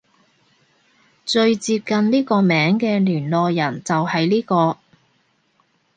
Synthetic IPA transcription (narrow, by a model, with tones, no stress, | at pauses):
t͡ʃɵ˧ɥt͡siː˧p̚kɐ˨˧nliː˥kɔː˧mɛː˨˥ŋkɛː˧lyː˨˩nlɔː˨˧jɐ˨˩nt͡sɐ˨whɐ˨jliː˥kɔː˧